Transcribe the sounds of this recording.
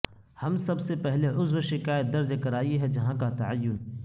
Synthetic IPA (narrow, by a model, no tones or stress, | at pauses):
hɐmsɐbsepɛɦleʔʊzwʃɪkaːjət̪̚d̪ɐɾd͡ʒkɐɾaːiɦɛd͡ʒɐɦãkat̪ɐʕajːʊn